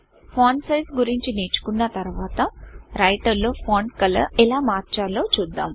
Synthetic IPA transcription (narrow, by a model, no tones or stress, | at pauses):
pʰaːɳɖsɐjsɡuɾiɲt͡ʃineːt͡ʃu̥kunːɐt̪ɐɾuʋaːt̪ɐɾɐjʈɐɾloːpʰoːɳɖkɐlɐ̰ɛlaːmaːɾt͡ʃaːloːt͡ʃuːd̪ːa̰ːm